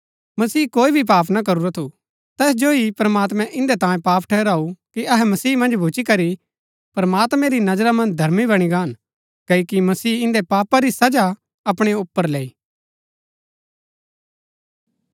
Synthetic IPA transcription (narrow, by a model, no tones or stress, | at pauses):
mɐsiːkoːibʱip̬aːpʰnak̬ɐɾuɾat̪ʰu | t̪ɛːsd͡ʒoɦipɾɐmaːt̪̬mɛ̃ʔɪ̃nd̪et̪ãːjẽpaːpʰʈʰɛːɾaːukiɐɦɛmɐsiːmɐ̃nd͡ʒbʱut͡ʃikɐɾi | pɾɐmaːt̪mɛ̃ɾinɐd͡ʒɾamɐ̃nd͡ʒd̪ʱɐɾmibɐɽ̃iɡaːn | kɐikimɐsiːɪ̃nd̪epaːpaɾisɐd͡ʒa | ɐpɽ̃eʊpːəɾleːiː